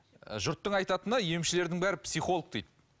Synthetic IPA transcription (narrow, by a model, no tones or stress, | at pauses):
ʒʊɾt̪ːəɴɑjt̪ɑt̪ənɑje̞mʃɪle̞ɾd̪ɪŋbæɾɪpsijχo̞lˠək̚t̪ejt̪